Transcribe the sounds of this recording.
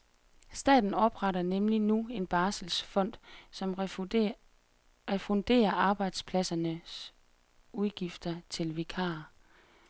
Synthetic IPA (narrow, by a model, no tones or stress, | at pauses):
sd̥ɛ̰ːd̥n̩ɒ̽b̥ʁɑɾɐnemlinue̝nb̥ɑ̈ːsəl̩sfɒ̽n̰d̥sɒm | ʁɛfɔnd̥e̝̰ːɐʔɑ̈ːb̥ɑ̈ɪd̥spʰlæsɐnəs | uðˠɡ̥ifd̥ɐt͡sʰe̝lʋekʰɑ̰̈ː